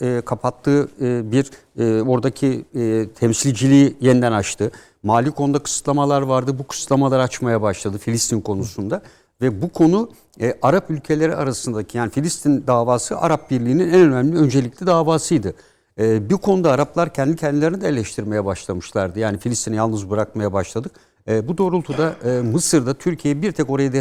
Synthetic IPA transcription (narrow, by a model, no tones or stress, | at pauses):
ɛːkʰapʰat̪ʰːɯːbiɾː | o̞ɾd̪acʰiːt̪ʰɛmsilʲd͡ʒilʲiːjɛnd̪ænat͡ʃt̪ʰɯ | maːlʲiko̞nd̪akʰɯ̥sɯ̥t̪lˠamalˠaɾvaɾd̪ɯbukʰɯ̥sɯ̥t̪lˠamalˠaɾat͡ʃmajabaʃlˠad̪ɯfilʲist̪ʰinkʰo̞nusund̪a | vɛbukʰo̞nuː | aɾapylʲcʰe̞lʲe̞ɾiaɾasɯnd̪acʰijaːnifilʲist̪ʰind̪aːvaːsɯʔa̰ɾap̚biɾlʲiːninɛnø̞næmlʲiø̞nd͡ʒe̞lʲiclʲid̪aːvaːsɯjd̪ɯː | bikʰo̞nud̪aːɾaplˠaɾcʰɛnd̪icʰɛnd̪ilʲeɾinid̪ɛelʲɛʃt̪ʰiɾme̞jɛbaʃlˠamɯʃlˠaɾd̪ɯjaːnifilʲist̪ʰinijalˠnɯzbɯɾakmajabaʃlˠad̪ɯk | ɯːbud̪o̞ːɾulˠt̪ʰud̪aːmɯsɯɾd̪at̪ʰyɾcʰijejɛbiɾt̪ʰɛko̞ɾajad̪